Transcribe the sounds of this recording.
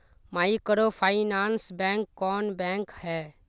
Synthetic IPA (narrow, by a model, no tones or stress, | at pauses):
maːikəɾopʰaːɪnaːnsbɛ̃ŋkːɔːnbɛ̃ːŋkhɛː